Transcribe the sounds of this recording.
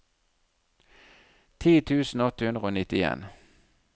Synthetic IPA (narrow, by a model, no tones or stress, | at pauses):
t̪ʰiːt̪ʰʉːsn̩oɔt̪əhʉnd̪ʁəoːnɪt̪ɪḛːn